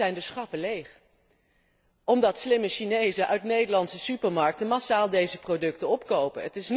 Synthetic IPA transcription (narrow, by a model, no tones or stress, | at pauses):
ɛjndəsχɑpəlejχ | ʔɔmdɑtslɪməʃinejzəʔœɥtnejdəlɑntsəsypəɹmɑɹk̚tənmasaːlˠdejzəprodɵktənɔpkowpə̰nətɪsn